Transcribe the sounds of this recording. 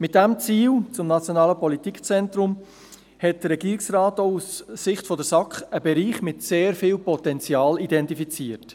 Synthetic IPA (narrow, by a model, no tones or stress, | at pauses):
mɪt̚d̥æmt͡siːlt͡sʊmnɑt͡sjonɑːləpɔlitikt͡sɛntɾʊm | hɛt̚d̥əɾːɛɡ̥iːɾɪksrɑːtoussɪχtfɔdəɾsɑkχəbɛɾiːχmɪtseːɾfiːlpɔtɛnt͡sjɑːlidɛntifit͡siːəɾt